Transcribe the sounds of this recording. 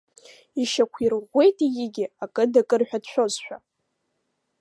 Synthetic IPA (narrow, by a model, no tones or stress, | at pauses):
iʃakʷʰirʁʷːe̞jtʼijɪɡʲɪakʼɨdakʼɨrħᶣadʃʷᶣo̞zħʷᶣa̰